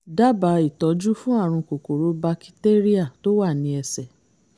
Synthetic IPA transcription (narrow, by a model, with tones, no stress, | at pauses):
da˦ba˧˦i˨tɔ˨˦d͡ʒu˦fũ˦a˦˨ɾ̃ũ˧ko˨ko˨ɾo˨˦ba˧ki̥˦te˦ɾi˦a˦˨to˦wa˦˨nĩ˧ɛ˧sɛ˨